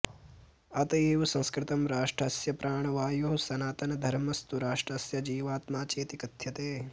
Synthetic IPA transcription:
ɐt̪ɐeːʋɐsɐ̃ŋskɾɪt̪ɐmɾaːʂʈɾɐsjɐpɾʔaːɳɐʋaːjoɦɐsɐnaːt̪ɐnɐd̪ʱɐɾmɐst̪uɾaːʂʈɾɐsjɐd͡ʒiːʋaːt̪maːt͡ʃeːt̪ikɐd̪ʱjɐt̪eː

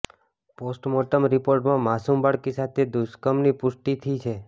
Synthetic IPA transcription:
posʈmɔʈəmɾipoɾʈmãmasumbaɽkisat̪ʰed̪uskəmnipʊʃʈit̪ʰit͡ʃʰe

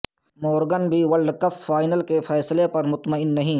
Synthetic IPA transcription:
mɔːɾɡənbʱiwɐlɖkɐfːaːɪnəlkefʰɛːslepɐɾmʊt̪məɪnːɐɦĩː

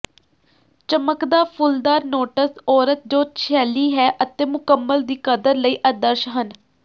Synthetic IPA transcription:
t͡ʃəməkd̪aːpʰʊld̪aːɾnoːʈəsɔːɾət̪̚d͡ʒoːt͡ʃʰɛːliːɦɛːʔət̪eːmʊkəmːəld̪iːkəd̪əɾləiːʔəd̪əɾʃɦən

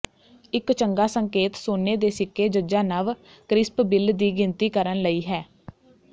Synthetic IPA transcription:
ɪkt͡ʃəŋɡaːsəŋkeːt̪soːneːd̪eːsɪkʰːeːd͡ʒəd͡ʒaːnaʋ | kɾɪspbɪld̪iːɡɪnt̪iːkəɾənləiːɦɛː

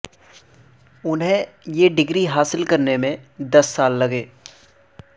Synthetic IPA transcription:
ʊnɦẽjeɖɪɡɾiɦaːsɪlkɐɾnemẽd̪ɐsːaːlːɐɡeː

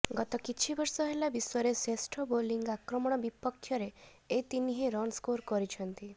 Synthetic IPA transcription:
ɡɔt̪ɔkit͡ʃʰibɔɾsɔɦelabiswɔɾesesʈʰɔboliŋɡakɾɔmɔɽ̃ɔbipɔkʰːjɔɾe | et̪iniɦiɾɔnskoɾkɔɾit͡ʃʰɔnt̪i

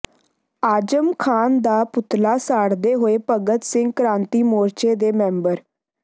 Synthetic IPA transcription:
aːd͡ʒəmkʰaːnd̪aːpʊt̪laːsaːɽd̪eːɦoːeːpəɡət̪sɪ̃ŋɡ̚kɾãːnt̪iːmoːɾt͡ʃeːd̪eːmɛ̃ːmbəɾ

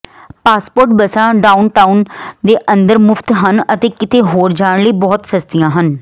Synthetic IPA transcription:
paːspoːɾʈbəsãːɖaːunʈaːund̪eːʔə̃nd̪əɾmʊfʰt̪ɦənət̪eːkɪt̪eːɦoːɾd͡ʒaːɳləiːbɔːt̪səst̪ijãːɦən

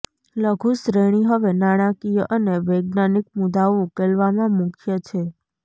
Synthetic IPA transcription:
ləɡʱuʃɾeɽ̃iɦəʋenaɽ̃ãkijəʔəneʋeɡ̚nanik̚mud̪aoukelʋamãmũkʰjət͡ʃʰe

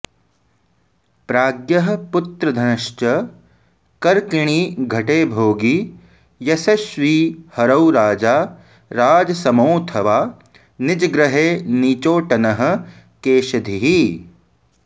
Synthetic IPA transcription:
pɾaːɡjɐɦə̆pʊt̪ɾɐd̪ʱɐnɐʃt͡ʃɐ | kɐɾkɪɽ̃iːɡʱɐʈeːbʱoːɡi | jɐsɐʃʋiːhɐɾɐwɾaːd͡ʒaː | ɾaːd͡ʒɐsɐmoːt̪ʰɐʋaː | nɪd͡ʒɡɾɐɦeːniːt͡ʃoːʈɐnɐɦɐ̆ | keːʃɐd̪ʱiɦi

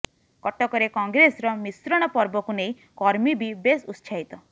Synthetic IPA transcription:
kɔʈɔkɔɾekɔŋɡɾesɾɔmisɾɔɽ̃ɔpɔɾbɔkunej̃ | kɔɾmibibesust͡ʃʰaɦit̪ɔ

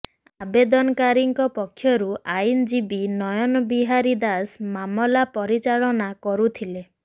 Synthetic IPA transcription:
abed̪ɔnɔkaɾiŋkɔpɔkʰːjɔɾuʔajnd͡ʒibinɔjɔnɔbiɦaɾid̪asmamɔlapɔɾit͡ʃaɭɔnakɔɾut̪ʰile

